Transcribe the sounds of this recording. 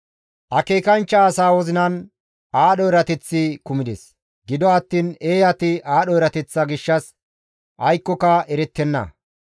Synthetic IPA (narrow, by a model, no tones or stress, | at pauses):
ʔɐke̞ːkɐnt͡ʃːɐːsaːwɔzɪnɐn | aːɗɔɛɾɐt̪ɛt͡sːɪkʊmɪd̪ɛ̰s | ɡɪd̪ɔɐt̪ːiːneːjɐt̪ɪaːɗɔɛɾɐt̪ɛt͡sːɐɡɪʃːɐs | ʔɐjkːɔkɐɛɾɛt̪ːɛnːɐ̰